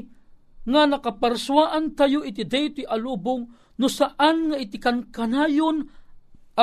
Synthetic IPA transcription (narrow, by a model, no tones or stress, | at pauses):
ŋanɐkapaɾswaːʔant̪ajʊʔɪt̪̬ɪd̪ɛjt̪iʔalubʊŋ | nʊsaʔanŋaɪt̪ɪkankanaːjon | ʔa